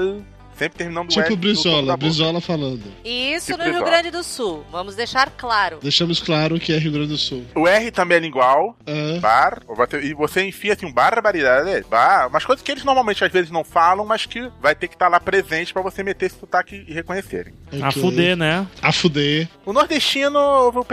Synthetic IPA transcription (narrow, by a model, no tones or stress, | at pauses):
sẽpɾɪt̪eɾminɐ̃nd̪t͡ʃʊipʊbɾiɔlɐabɾizɔlɐfalɐ̃nd̪ʊissʊnʊhiuɡɾɐ̃nd͡ʒɪd̪ʊsuwvɐ̃mʊzd̪ejʃaɾklaɾʊd̪ejʃɐ̃mʊsklaɾʊkɪɛɦiuwɡɾɐ̃d͡ʒɪd̪ʊsuwʊɛɦɪt̪ɐ̃bẽj̃ɛlĩŋɡwawɐ̃baɾvoseɪvoseẽfĩasĩũbaɾbaɾid̪ad͡ʒɛbamɐskojzɐskɪelɪznoɾmawmẽnt͡ʃɪazvezɪznɐ̃w̃falɐ̃w̃maskɪvajt̪ekɪ̥t̪aɾlapɾezẽnt͡ʃɪ̥pɾɐvosemet̪eɾsɪ̥t̪ut̪akɪɪhekõɲesḛɾḛ̃j̃ | oakfefuenɛafud̪eʊnoɾd̪eʃt͡ʃĩnʊovep